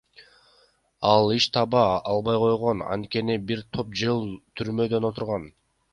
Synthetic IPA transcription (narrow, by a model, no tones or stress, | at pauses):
ɑlˠiʃt̪ʰɑβɑɑlˠbɑjqʰo̞jʁo̞nɑ̰nt̪̚ke̞nibiɾt̪ʰo̞p̚d͡ʒɯlˠt̪ʰyɾmø̞d̪ø̞no̞t̪uɾʁɑn